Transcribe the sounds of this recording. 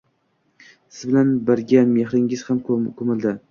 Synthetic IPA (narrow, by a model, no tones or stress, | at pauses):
sɪzbɪlanbɪɾɡʲanme̞hɾɪŋɪz̥hamkʰomɪld̪ɪ